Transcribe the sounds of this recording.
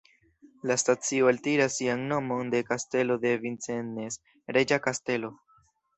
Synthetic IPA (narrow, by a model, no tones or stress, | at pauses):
lastat͡sio̞eltiɾasːianno̞mo̞nde̞kaste̞lo̞de̞vint͡se̞nːe̞s | ɾe̞d͡ʒakaste̞lo̞